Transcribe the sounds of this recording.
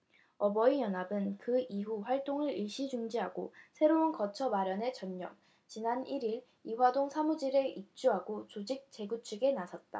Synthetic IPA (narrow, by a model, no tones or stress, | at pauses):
ʌbʌijʌnabɯnkɯiɦuɸwaɭt͈oŋɯɾiɭɕ͈id͡ʑuŋd͡ʑiɦaɡosʰe̞ɾounkʌt͡ɕʰʌmaɾjʌne̞t͡ɕʌnːʌ̰m | t͡ɕinaniɾiɾ | iɸwadoŋsʰamud͡ʑiɾeʔik̚t͡ɕ͈uɦaɡot͡ɕod͡ʑik̚t͡ɕ͈e̞ɡut͡ɕʰuɡe̞nasʰʌt̚t͈a̰